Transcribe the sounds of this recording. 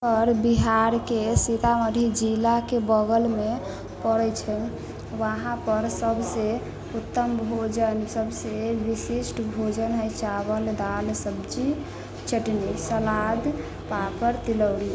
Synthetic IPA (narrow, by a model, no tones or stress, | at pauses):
ɔɾbiɦaɾkesit̪aməd̪ʱid͡ʒilakebəɡəlme | pəɾɛt͡ʃʰɛ | ʋaɦãpəɾsəbse | ut̪ːəmbʱod͡ʒənsəbseʋisisʈbʱod͡ʒənɦəjt͡ʃaβəld̪alsəbt͡ʃi | t͡ʃəʈnisəlad̪ | papəɾt̪iləwli